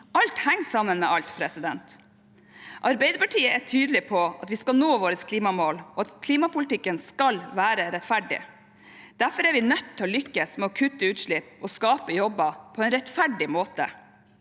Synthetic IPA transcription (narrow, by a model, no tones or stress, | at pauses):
ʔɑlt̪hæŋːsɑmːənmɛʔɑlt̪pʰɾɛsɪd̪ɛnt̪ | ʔɑɾbɛɪd̪əpɑʈʰiːəʔæʈʰyːd̪lɪpʰɔɑt̪ʋɪskɑlnoːʋoːɾəskʰliːmɑmoːlɔɑt̪kʰliːmɑpʊlt̪ɪkːənskɑlʋæːɾəɾɛt̪fæɖɪ̰ | d̪̥æɾfɔɾæɾʋɪnœt̪ʰːɪɔlʏkːəsmɛɔkʰʉt̪ːəʉːt̪ʂɭɪpːɔskɑːpəjɔbːɑpʰɔɛnɾɛt̪fæɖɪmoːt̪ə̰